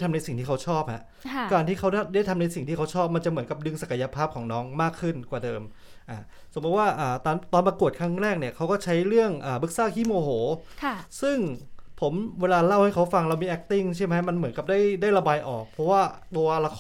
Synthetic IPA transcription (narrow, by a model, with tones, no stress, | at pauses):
t̪ʰa˧mna˧jsi˨˩ŋt̪iː˥˩a˦˥wt͡ɕʰɔː˥˩p̚ha˧˥ʔ | kaː˧nt̪ʰiː˥˩kʰa˦˥wda˥˩da˥˩jt̪ʰa˧mna˧jsi˨˩ŋt̪ʰiː˥˩a˦˥wt͡ɕʰɔː˥˩p̚ma˧nt͡ɕa˨˩ʔmɯ˩˦nŋka˨˩p̚dɯ˧ŋsa˨˩ka˧ja˧pʰaː˥˩p̚kʰɔː˩˦ŋnɔː˦˥ŋmaː˥˩kʰːɯ˥˩nkwaː˨˩dɤː˧m | ʔaː˨˩ | so˩˦bu˧˥t̪̚waː˥˩ʔaː˨˩t̪ːnt̪ɔː˧nmpa˧ku˨˩ət̚kʰɾa˦˥˩ŋɾɛː˥˩k̚ni˥˩ɐkʰa˦˥wkɔː˥˩t͡ɕʰa˦˥jɾɯ˥˩əŋʔaː˨˩bɯ˦˥k̚saː˥˩kʰiː˥˩moː˧ɦoː˩˦˧sɯ˥˩ŋpʰo˩˦mweː˧laː˧la˦˥˩wha˥˩jkʰa˦˥wfa˧ŋɾa˧wmiː˧ʔɛ˦˥k̚t̪i˥˩ŋt͡ɕʰi˥˩ma˦˥ma˧nmɯ˩˦nka˨˩p̚daː˥˩jdaː˥˩jɾa˧baː˧jʔɔː˨˩k̚pʰɾɔ˦˥waː˥˩t̪oː˧la˧kʰ